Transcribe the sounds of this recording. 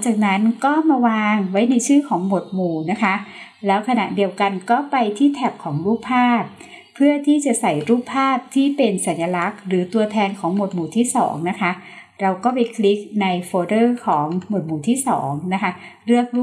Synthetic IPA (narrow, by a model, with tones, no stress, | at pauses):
ŋt͡ɕaː˨˩k̚na˦˥nkɔː˥˩maː˧waː˧ŋwa˦˥jna˧jt͡ɕʰɯː˥˩kʰɔː˩˦ŋmo˨˩t̪̚muː˨˩na˦˥kʰa˦˥ | lɛː˦˥wkʰa˧na̰˨˩ʔdi˧əwka˧nkɔː˥˩pa˧jt̪ʰiː˥˩t̪ʰɛ˨˩p̚kʰɔː˩˦ŋɾuː˥˩k̚pʰaː˥˩p̚ʰː | ɯ˥˩ɐt̪ʰiː˥˩t͡ɕa˨˩sa˨˩jɾuː˥˩pʰːaː˥˩p̚t̪ʰiː˥˩pe˧nsa˩˦nja˧la˦˥k̚ɾɯː˩˦t̪u˧ɐt̪ʰɛː˧nkʰɔː˩˦ŋmo˨˩t̪̚muː˨˩t̪ʰiː˥˩sɔ̰ː˩˦ŋna˦˥kʰa˦˥ʔ | ɾa˧wkɔː˥˩pa˧jkʰli˦˥k̚na˧jfoː˧dɤː˥˩kʰɔː˩˦ŋmo˨˩t̪̚muː˨˩t̪ʰiː˥˩sɔ̰ː˩˦ŋna˦˥kʰa˦˥ɾɯ˥˩ək̚ɾuː˥˩